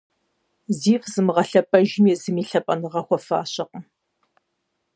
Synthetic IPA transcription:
ziːfzɨmʁɐɬɐpʼɐʒɪmjɛzɨmiːɬɐpʼɐnɨʁɐxʷɔfa̰ːɕɐqə

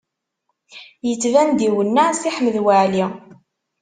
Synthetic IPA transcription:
jət͡sːvænd̪iwənːasiħəmːəðwəʕli

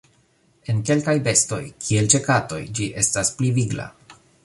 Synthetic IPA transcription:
e̞nke̞lkajbe̞sto̞jkʰie̞lt͡ʃe̞kato̞̰jd͡ʒiʔe̞staspliviɡla̰

